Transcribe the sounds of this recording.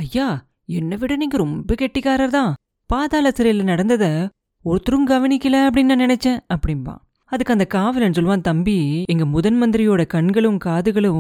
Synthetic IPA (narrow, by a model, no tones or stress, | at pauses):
ɐjːaː | ɛnːɐʋɪɽɐniːŋɡɐɾɔmbɐkɛʈːɪkːaːɾɐɾt̪ãː | paːðaːlɐsɪɾɐjɪlnɐɽɐnd̪ɐðɐ | ɔɾɯt̪ːɯɾɯmɡɐʋɐnɪkʲːɐlɐɐp̬ːɐɽɪnːãːnɪnɛt͡ʃːɛ̃ːɐpːɐɽɪnpa̰ː | ɐðɯkːɐnd̪ɐkaːʋɐlɛnːɯs̬ɔlːɯʋaːnt̪ɐmbiɛŋɡɐmʊðɐnmɐnd̪ɪɾɪjoːɽɐkɐɳɡɐɭɯmkaːðɯɣɐɭɯm